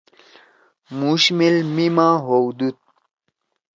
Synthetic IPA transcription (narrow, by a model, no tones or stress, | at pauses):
muɕmilmimãɦowd̪ut̪̚